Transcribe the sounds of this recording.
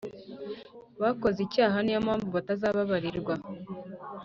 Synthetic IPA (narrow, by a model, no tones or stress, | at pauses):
βako̞zicaːɦanijamaːɱvuβatazaːβaβaɾiɾɡwa